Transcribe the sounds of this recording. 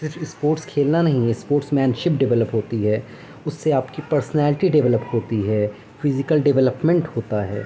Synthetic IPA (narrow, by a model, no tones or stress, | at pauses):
sɪɾfɪspoːɾʈskʰeːlnanɐɦĩɪspoːɾʈsmɛ̃ːnʃɪpɖɪʋɛləpɦoːt̪iɦɛː | ʊsːeaːpkipɐɾsnɛːlɪʈiɖɛʋɛləpɦoːt̪iɦɛː | fɪzɪkəlɖɛʋɛləpmẽɳʈhoːt̪aɦɛ̰ː